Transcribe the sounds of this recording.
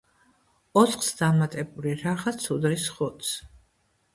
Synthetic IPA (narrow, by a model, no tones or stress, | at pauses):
ɔt̪ʰχsd̪amat̪ʼɛbuliɾaʁat̪sʰud̪ɾisχut̪sʰ